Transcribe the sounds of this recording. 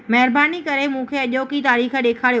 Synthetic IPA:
mɐɦɪɾbaːnikɐɾemũkʰeɐʄoːkit̪aːɾiːxɗeːkʰaːɽio

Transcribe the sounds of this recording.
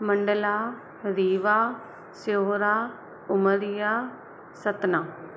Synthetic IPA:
məɳɖəlaː | ɾiːʋaː | soːɾaː | ʊməɾɪjaː | sət̪naː

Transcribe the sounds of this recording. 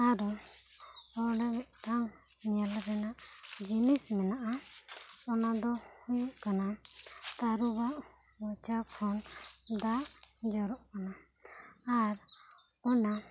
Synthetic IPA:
aɾɔ | ɔɽɛʈaŋ | nijalɾɛnaʔd͡ʒinismɛnaʔa | ɔnad̪ɔhujuʔkanat̪aɾubaʔ | mɔt͡ʃakʰɔnd̪aʔd͡ʒɔɾɔʔkanaː | ɾɔna

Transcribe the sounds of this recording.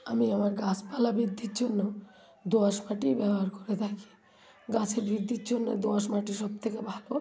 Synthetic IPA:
a̰miamaɾɡaspalabid̪ʱːiɾd͡ʒonːo | d̪oaʃmaʈibɛboɦaɾkɔɾet̪ʰakʰi̥ | ɡasʰeɾbid̪ːiɾd͡ʑonːo̰d̪oaʃmaʈiʃɔb̚t̪ʰekebʱalo

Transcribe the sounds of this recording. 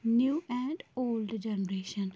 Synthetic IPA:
njuːʔɛ̃ːɳɖoːlɖd͡ʒɛnəɾeːʃə̃n

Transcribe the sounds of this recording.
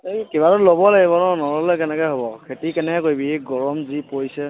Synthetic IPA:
ejkebaɹɔlobɔlaɡibɔnɔnɔɹɔlekɛnɛkɔɦobɔkʰetikɛnɛkoibieɡɔɹɔmzipojsɛ

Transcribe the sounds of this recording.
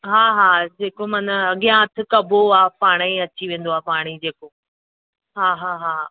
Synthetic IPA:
ɦaːɦaːd͡ʑeːkomɐnəɐɠijãɐt̪ʰɪ̆kɐbʱoaːpaːɽ̃eɐt͡ɕiʋẽːn̆d̪oaːpaːɽ̃id͡ʑeːko | ɦaːɦaːɦaː

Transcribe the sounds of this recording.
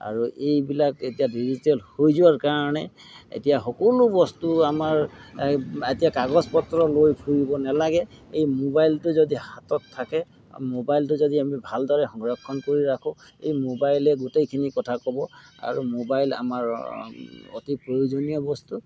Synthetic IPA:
a̰ɹuejbilaketijadizitɛlhojzʊwaɹkaɹɔnɛ | ḛtijaxɔkɔlubɔstuamaɹ | etijakaɡɔspɔtɹɔlojbʰʱuɹibɔnɛlaɡɛejmobajltʊzɔdihatɔtʰːakɛ | mobajltʊzɔdiamibʱaldɔɹɛxɔŋɡɹakʰːɔnkoɹiɹakʰʊ̃ḛjmobajlɛɡutejkʰinikɔtʰakɔbɔa̰ɹumobajla̰maɹ | o̰tipɹojozonijɔbɔstu

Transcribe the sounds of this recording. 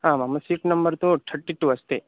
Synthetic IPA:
ɦãːmɐmːɐsiːʈnɐmbɐɾt̪uʈ̪ʰɐɾʈːiʈuɐst̪eː

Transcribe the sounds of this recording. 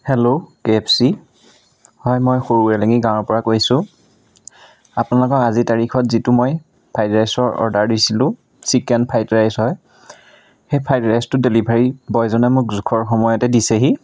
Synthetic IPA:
hɛlokepʰsi | hɔjmɔjxoɹuɛleŋiɡãw̃ɔɹpɔɹakojsʊ̃ | apʊnalɔkɔkazitaɹixʰɔtzitumoj | pʰajtɹajsɔɹɔ̰ɹdaɹdisilʊ̃ | sikɛnpʰajtɹajsɦɔj | xejpʰajtɹajstʊdelibʱaɹibɔjzɔnɛmʊkzukʰɔɹxɔmɔjɔtɛdisɛɦi

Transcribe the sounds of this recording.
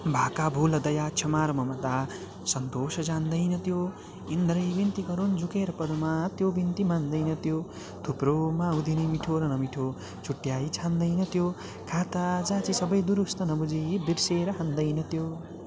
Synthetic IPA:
bʱakabʱulʌd̪ʌjat͡ʃʰʌmaɾmʌmʌd̪a | sʌnt̪osʌd͡zand̪ʌjnʌt̪jo | ind̪ɾʌjbint̪iɡʌɾund͡zukeɾʌpʌd̪umat̪jobint̪imand̪ʌjnʌt̪jo | t̪ʰupɾomaud̪ʱinimiʈʰoɾʌnʌmiʈʰo | t͡sʰuʈːjajt͡sʰand̪ʌjnʌt̪jo | kʰat̪ad͡zat͡sisʌbʌjd̪uɾust̪ʌnʌbud͡zibiɾseɾʌɦand̪ʌjnʌt̪jo

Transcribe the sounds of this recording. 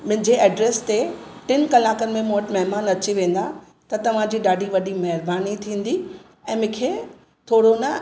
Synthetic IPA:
mʊ̃ɦɪ̃ɲd͡ʑeʔɐɖɾeːst̪eʈɪnkɐlaːkənɪ̆mẽmũːəʈmɐɦmaːnɐt͡ɕiʋẽːn̆d̪a | t̪ɐt̪ɐʋ̤ãd͡ʑiːɗaːɖʱiʋɐɗimɐɦɪɾbaːnit̪ʰĩːn̆d̪i | ɛ̃ːmʊ̃kʰe | t̪ʰoːɽonɐ

